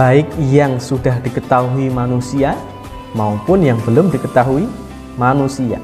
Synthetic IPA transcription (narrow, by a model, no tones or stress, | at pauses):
b̥aɪk̚jaŋsudahd̥ikət̪auimanusia | maupʊnjaŋbəlʊmdikət̪aɦui | manusia̰